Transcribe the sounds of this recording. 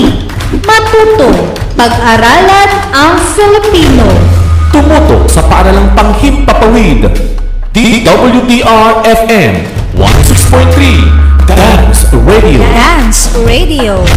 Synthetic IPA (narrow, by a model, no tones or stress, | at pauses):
mɐt̪uːt̪oʔpɐɡ̚ʔɐɾaːlɐnʔɐŋfɪlɪpiːnot̪ʊmuːt̪o̰ʔ̚sɐpɐʔɐɾalaŋpɐŋhip̪̚pɐpɐwid̪ | t̪id̪ɐbɐljud̪iʔaɹɛfɛm | wa̰nsiksfɔɹt̪t̪ɹid̪ansɹɛd̪io̰d̪ansɹed̪io